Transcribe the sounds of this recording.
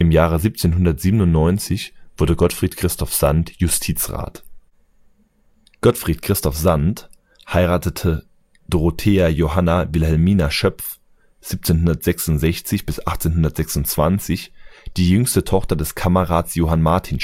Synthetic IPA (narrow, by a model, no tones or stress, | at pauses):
ɪmjaːʁ̞əziːp̚t͡seːnɦʊndɐtz̥iːbənʊntnɔʏnt͡sɪçv̥ʊɐdəɡɔtfʁ̥iːtkʁ̥ɪstɔfz̥antjʊstʰiːt͡sʁa̰ːt | ɡ̥ɔtfʁ̥iːtkʁ̥ɪstɔfz̥ant | haɪʁaːtətʰə | d̥oʁotʰeːajoɦanavɪlhɛlmiːnaʃœpf | z̥iːp̚t͡seːnhʊndɐtz̥ɛksʊntz̥ɛçt͡sɪçb̥ɪsʔaχt͡seːnhɦʊndɐtz̥ɛksʊnt͡sv̥ant͡sɪçd̥iːjʏŋstətʰɔχtɐdɛskʰamɐʁaːtsjoːɦanmaɐtʰiːn